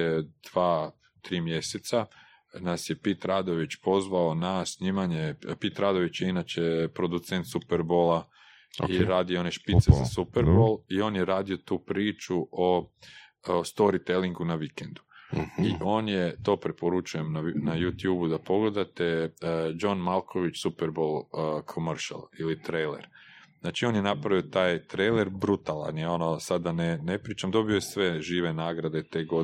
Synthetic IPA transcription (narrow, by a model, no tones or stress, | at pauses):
d̪̥ʋaː | t̪ɾiːmje̞set̪sa | nasje̞pit̪ɾaːd̪o̞ʋit͡ʃpo̞zʋaonasɲiːmaɲepit̪ɾaːd̪o̞ʋit͡ɕjeinat͡ɕepɾo̞d̪ut̪se̞nt̪supeɾbola | o̰iɾaːd̪iooneʃpit̪seza̰supeɾbolio̞ːnjeɾaːd̪io̞t̪uːpɾiːt͡ʃuʔo | st̪o̞ɾit̪eliŋɡunaʋikend̪uiʔo̞ːnjet̪o̞ːpɾepoɾut͡ʃuje̞mnanajut̪juːbud̪apo̞ɡle̞d̪at̪e̞d͡ʒo̞nmalˠkʰo̞ʋit͡ʃsupeɾbo̞lˠkʰomrʃa̰lˠilit̪ɾejlḛɾznaːt͡ʃio̞njenapɾaʋiot̪aːjt̪ɾejleɾbɾut̪alˠa̰njeo̞nosad̪ːanenepɾiːt͡ʃamd̪o̞bio̞jesʋe̞ʒiːʋe̞naːɡɾad̪et̪e̞ːɡo